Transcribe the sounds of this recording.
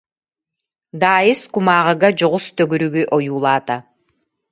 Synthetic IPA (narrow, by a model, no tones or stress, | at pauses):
d̪aːjɯskumaːʁɯɡad͡ʒɔʁust̪œɡyɾyɡyʔɔjuːlˠaːt̪a